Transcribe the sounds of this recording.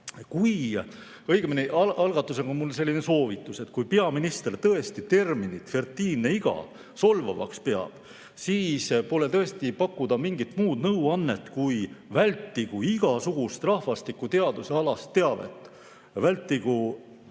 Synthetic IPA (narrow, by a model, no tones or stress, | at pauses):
kuj | ɤjɡ̥emineʔɑlɑlɡ̥ɑt̪ːˑuseŋonmulːse̞lʲːineso̞ːvit̪ːˑuse̞t̪ːkujpe̞ɑminist̪ert̪ɤe̞st̪it̪e̞rminit̪ːfe̞rt̪ːˑiːnːeiɡ̥ɑ̰ | so̞lvɑ̰vɑ̰kspe̞ɑ̰b̥ | siːspo̞let̪ɤ̞e̞st̪ipɑkˑːud̪̥ɑmiŋɡit̪muːd̪nɤwɑnːet̪ːkujvælʲt̪ːiɡ̥uiɡ̥ɑsuɡ̥ust̪rɑhvɑst̪ikːˑut̪e̞ɑd̪̥useɑlɑst̪ːe̞ɑb̥e̞̰t̪ːˑ | vælʲt̪ːˑiɡ̥u